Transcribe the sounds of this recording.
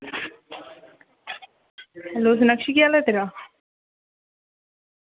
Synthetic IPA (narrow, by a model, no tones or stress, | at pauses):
los̬nəkʃikijalet̪eɾa